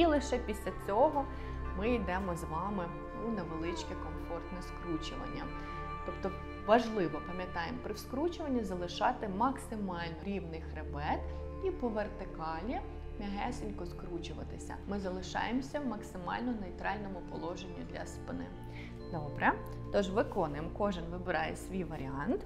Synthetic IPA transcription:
ilˠɪʃɛpʲisʲlʲɐt͡sʲɔɦɔ | mɪid̪ɛmɔzʋɑmɪ | unɐʋelˠɪt͡ʃkɛkɔmfɔrt̪nɛskɾut͡ʃʊʋɐ̰nʲːɐ | t̪ɔpt̪ɔ | ʋɐʒlˠɪʋɔpɐmʲjɐt̪ɑjempɾɪwskɾut͡ʃʊʋɐnʲːɐzɐlˠɪʃɑt̪ɪmɐksɪmɑlʲnɔɾʲiwnɪjxɾebɛt̪ | ipɔʋert̪ɪkɑlʲi | mʲɐɦɛsɪnʲkɔskɾut͡ʃʊʋɐ̰t̪ɪsʲɐ̰mɪzɐlˠɪʃɑ̰jemsʲɐmɐksɪmɑ̰lʲnɔnejt̪ɾɑlʲnɔmʊpɔlˠɔʒenʲːid̪ʲlʲɐ̰spɪnɪ̰ | d̪ɔbɾɛ | t̪ɔʒʋɪkɔnɪmkɔʒɪnʋɪbɪɾɑjɛsʲʋʲijʋɐɾʲiɑnt̪

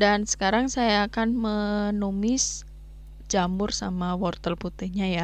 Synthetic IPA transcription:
dansə̥kaɾaŋsajaːkanmənumɪs | d͡ʒambʊrsamawɔrt̪ərput̪ɪhɲaja

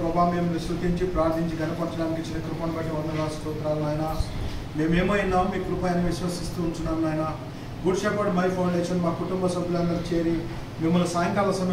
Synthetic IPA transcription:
pɾɐbaːmːeːmːɐist̪ut̪iɲt͡ʃipɾaːɾt̪ʰiɲt͡ʃiɡɐnɐpɐɾt͡ʃɐɽaːnikit͡ʃinɐkɾupɐːnbɐɐɐnd̪ɐlaːst̪ut̪ɾaːlunaːjnɐme̞ːmeːmɐjinːaːmːiːkɾupaːjɐniʋiʃʋɐsist̪uːɳʈunːaːnaːjnɐ | ɡuʈʂeːpɐɖmɐjpʰɐwɳɖeːʂɐnmaːkuʈumbɐsɐbʱjulɐnd̪ɐɾt͡ʃeːɾi | mimːɐlusaːjɐŋkalɐsɐm

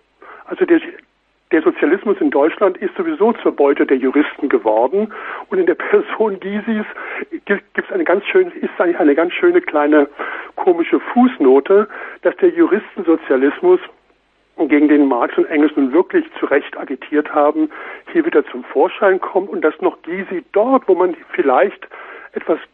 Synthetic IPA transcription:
ʔalzode | d̥eːɐzot͡sjalɪsmʊsɪndɔʏt͡ʃlantɪstz̥ovizoːt͡suːɐbɔʏtədeːɐjuʁ̞ɪstn̩ɡəvɔɐdn̩ʔʊntɪndeːɐpʰɛɐzoːnɡiːzisɡ̥iɡ̥iːp̚tsʔaɪnəɡant͡sʃøːnɪstsʔaɪŋçʔaɪnəɡant͡sʃøːnəkʰl̥aɪnəkʰoːmɪʃəfuːsnoːtəd̥asd̥eːɐjuʁɪstn̩zot͡sjalɪsmʊs | ɡeːɡŋ̩deːnmaɐksʊntʔɛŋl̩snuːnvɪɐklɪçt͡suʁɛçtʔaɡitʰiːɐthaːbm̩hiːɐviːdɐt͡sʊmfoːɐʃaɪnkʰɔmtʊnt̚d̥asnɔχɡ̥iːzid̥ɔɐtv̥oːmanfɪlaɪçtʔɛtv̥as

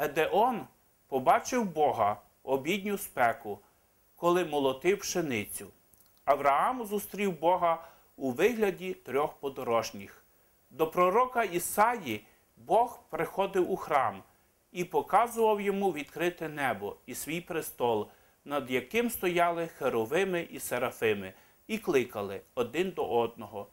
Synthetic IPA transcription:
ɦed̪eʔɔn | pɔbɑt͡ʃɪwbɔɦɐ | ɔbʲid̪ʲnʲʊspɛkʊ | kɔlˠɪmɔlˠɔt̪ɪwʃenɪt͡sʲʊ | ɐwɾɐɑmzʊst̪ɾʲiwbɔɦɐ | uʋɪɦlʲɐdʲit̪ɾʲɔxpɔd̪ɔɾɔʒnʲix | d̪ɔpɾɔɾɔkɐisɑji | bɔxpɾɪxɔd̪ɪwuxɾɑm | ipɔkɑzʊʋɐwjɔmuʋʲid̪kɾɪt̪ɪnɛbɔisʋʲijpɾɪst̪ɔlˠ | nɐd̪jɐkɪmst̪ɔjɑlˠɪxeɾɔʋɪmɪʔiseɾɐfɪmɪ | iklˠɪkɐlˠɪɔd̪ɪnd̪ɔʔɔd̪̚nɔɦɔ

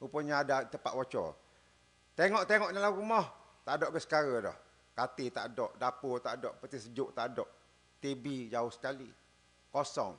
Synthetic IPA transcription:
upəɲaːdat̪əpa̰ʔ̪wot͡ʃɔ̰ | t̪eŋɔʔt̪eŋɔʔnalahɾumɔh | t̪aʔdɔʔɡəsə̥kaɾədɔ̰h | kat̪it̪a̰ʔdɔʔdaput̪aʔdɔʔpət̪isəd͡ʒʊʔt̪aʔdɔʔ | t̪ebid͡ʒaʊhsə̥kali | kosɔ̰ŋ

